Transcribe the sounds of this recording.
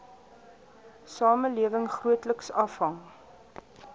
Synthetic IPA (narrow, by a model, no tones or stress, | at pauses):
sɑːməliəvəŋχruətləksɐfɦɐŋ